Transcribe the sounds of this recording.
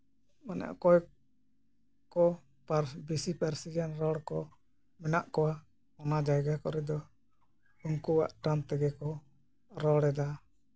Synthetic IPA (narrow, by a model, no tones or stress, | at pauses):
manɛ̰ʔkɔj | kɔ | paɾbisipaɾsid͡ʒanɾɔɽkɔ | mɛnaʔkɔwa | ɔnad͡ʒajɡakɔɾɛd̪ɔ | uŋkuwa̰ʔʈamt̪ɛɡɛkɔ | ɾɔɽɛd̪a